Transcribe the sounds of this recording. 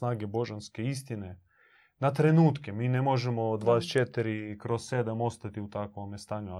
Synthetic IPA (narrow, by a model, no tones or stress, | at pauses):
naːɡebo̞ʒanske̞ist̪ine | nat̪ɾe̞nuːt̪kemiːnemo̞ʒemod̪ʋaːst͡ʃet̪iɾikɾossed̪amo̞st̪at̪iut̪akʋomest̪aːɲu